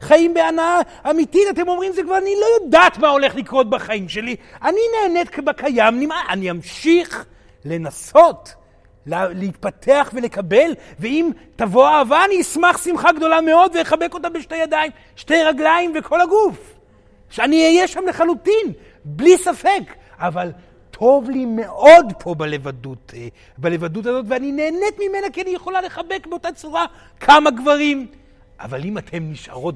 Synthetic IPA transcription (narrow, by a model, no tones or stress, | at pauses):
χaimbeanaaː | mitit̪atemo̞mʁimzekvaʁanilo̞jod̪aːt̪mao̞le̞χlikʁot̪̚baχaimʃe̞lianineːnet̪̚kʰbakajamnimaʔaniamʃiχ | le̞naso̞t | lleit̪̚patʰeaχve̞le̞kabe̞lveim | tavo̞aavaaniismaχsimχaɡd̪o̞lame̞o̞d̪vejeχabeko̞t̪ambeʃtejad̪aim | ʃte̞jʁaɡlaimvekʰo̞laɡuf | ʃeaniijeʃamle̞χalutin | blisafe̞k | aval | t̪ʰo̞vlime̞ʔo̞dpʰo̞balevadut | balevadutazo̞tveanine̞ːnet̪mime̞nakianijeχo̞lale̞χabe̞kbeo̞tat͡suʁa | kʰamaɡvaʁim | ʔa̰valimat̪ʰe̞mniʃʔa̰ʁo̞t